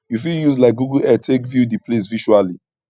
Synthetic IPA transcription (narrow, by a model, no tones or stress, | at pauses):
jufiljuslaɪk̚ɡuɡulɛtʰekvjudiples̬viʃuali